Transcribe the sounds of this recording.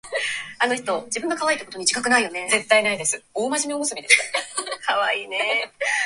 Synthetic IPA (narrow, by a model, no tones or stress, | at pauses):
anoç̬i̥t̪o̞d͡ʑibɯ̟ŋɡ̪akaβaiːt̪ːokot̪oɲ̟id͡ʑi̥kakɯ̟naijo̞ne̞ze̞t̪ːainaid̪e̞sɨoːmaʑimʲiomosɨmʲid̪eskʰaβaiːne̞